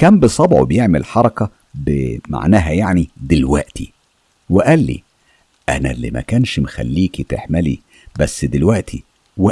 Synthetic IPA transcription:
kæːmbɨsˤɑbʕo̰bejeʕmelħɑɾˤɑkɑ | bema̰ʕnæːɦæjaʕnid̪elwæʔt̪i | weʔælːḭ | ʔænæ̰lḭmæ̰kæːnʃmexæ̰lːiːkit̪eħmælḭ | bæsːd̪elwæʔt̪ʰi | we

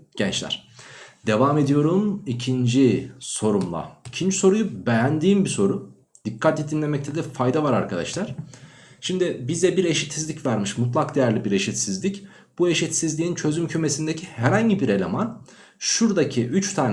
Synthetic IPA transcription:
ɟ̥ɛnt͡ʃlʲæ̰ɾ̥d̪e̞vaːme̞d̪ijo̞ɾumicʰind͡ʒiso̞ɾumlˠa̰icʰind͡ʒiso̞ɾujube̞jænd̪iːmbiso̞ɾu | d̪̥ikʰːat̪lːʲɛd̪inlʲe̞mɛc̚t̪ʰɛd̪ɛfajd̪avaɾa̰ɾkʰad̪a̰ʃlˠaɾ̥ | ʃimd̪ɪbizd̪ɛbiɾe̞ʃit̪sizlʲicvaɾmɯʃmut̪lˠakd̪e̞jæɾlʲibiɾe̞ʃit̪sizlʲic | b̥ue̞ʃit̪sizlʲiint͡ʃʰø̞zymcʰyme̞sind̪ecʰihæɾhaɲɟibiɾe̞lʲe̞man | ʃuɾd̪acʰiʔyt͡ʃt̪ʰaːn

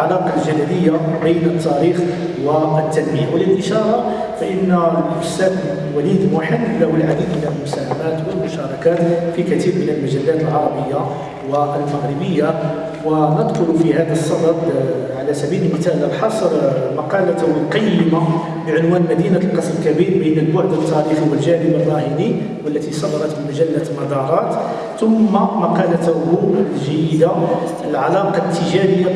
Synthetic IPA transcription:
ʕalɑqɑlʒæd̪æləjːabəjnət̪ːæɾix | wæət̪ːænməjawələlʔəʃɑɾˤɑ | fæʔənːæəlfʊsæd̪ | wælid̪waħəd̪læhwəlʕad̪iːd̪mənəlmʊsæhæmæt̪wəlmʊʃɑɾˤɑkæt̪fikæt̪iɾmənəlmæʒælːæt̪əlʕɑɾˤɑbəjːa | wəʔəlmæɣɾəbəjːa | wænəd̪qʊlufihæd̪əsˤːɑd̪ɑɾ | ʕalæsæbiləlmət̪æləbħɑsˤɾmɑqɑlæt̪hʊlq̪ɑjːəma | bəʕʊnwænlmæd̪inalqɑsmkæbiɾbənəlboʕd̪ət̪ːɑɾifiwəlʒæɾəbərˤːɑhəɾi | wəlːæt̪isˤɑd̪ɑɾˤɑt̪əmæʒælːælmɑd̪ɑɾˤɑt̪ | t̪ʊmːamæqɑlæt̪huʒæjəd̪a | əlʕɑlɑqɑt̪ːəʒæɾəjːa

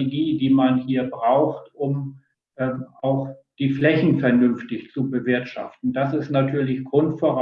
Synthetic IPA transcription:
eɡiːdiːmanhiːɐbʁaʊxtʔʊm | ʔɛːʔaʊxd̥iːflɛçn̩fɛɐnʏnftɪçt͡subəvɪɐtʃa̰ftn̩d̥asɪstnatʰyːɐlɪçɡ̥ʁʊntfoːɐʁa

